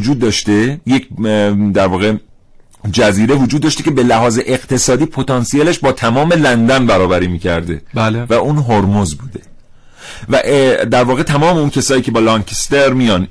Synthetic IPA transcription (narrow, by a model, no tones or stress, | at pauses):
d͡ʒuːd̪ːɒːʃt̪ejecʰd̪æɾvɒːɣe | d͡ʒæziːɾe̞vod͡ʒud̪ːɒːʃt̪e̞cʲe̞be̞læɦɒːzeʔeɣ̥t̪ʰe̞sɒːd̪iːpʰot̪ɒnsieleʃbɒːt̪ʰæmɒːme̞lænd̪ænbæɾɒːbæɾiːmiːcʰæɾd̪e̞blvæʔuːnɦoɾmozbuːd̪e | væʔd̪æɾvɒːɣet̪ʰæmɒːmeuncʰesɒːjiːcʰe̞bɒːlɒŋkʰest̪eɾmijɒn